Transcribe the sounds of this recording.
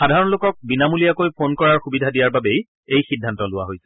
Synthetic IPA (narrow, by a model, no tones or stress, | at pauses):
xadʱaɹɔnlokɔk̚binamulijakojpʰonkɔɹaɹxubidʱadijaɹbabej | ejxidʱːantɔlʊwa̰ɦojsɛ̥